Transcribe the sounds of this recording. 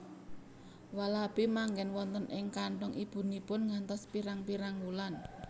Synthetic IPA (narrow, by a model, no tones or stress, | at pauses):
walab̥imaŋɡɛnwɔnt̪ənʔɪŋkaɳʈɔŋʔib̥ṳnipʊnŋant̪ɔspiɾaŋpiɾaŋwulan